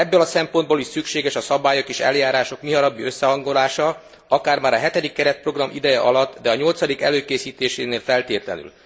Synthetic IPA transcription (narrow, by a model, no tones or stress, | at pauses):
ɛbːølɒsɛmpo̞nd̪boːliʃsykʃeːɡɛʃɒsɒbaːjo̞keːʃɛ̰ljaːɾaːʃo̞kmiɦɒɾɒbːiøsːɛɦɒŋɡo̞laːʃɒ | ɒkaːrmaːɾɒɦɛt̪ɛd̪ikːɛɾɛt̪̚pro̞ɡrɒmʔḭd̪ɛjɛʔɒlɒt̪ːd̪ɛɒɲo̞lt̪sɒd̪ikɛløːkeːsiːt̪eːʃeːneːlfɛlt̪eːt̪lɛ̰ny̰l